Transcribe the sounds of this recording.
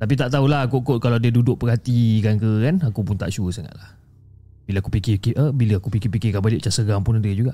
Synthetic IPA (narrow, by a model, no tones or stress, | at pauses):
t̪ap̬it̪aʔt̪aɦulaɦakukot̪̚kalawdiədudʊʔ̚pərɦat̪ikankəkanakupʊnt̪a̰ʔt͡ʃuəsaŋa̰t̪̚lah | bilaakupikɪkiʔəbiləakupikipikɪkabalɪʔt͡ʃasəɡaŋpʊnadəd͡ʒuɡaʔ